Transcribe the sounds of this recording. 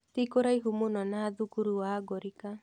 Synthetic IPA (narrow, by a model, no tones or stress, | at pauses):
tikoɾaiɦumunɔnaːðukuɾuwaːɡɔɾika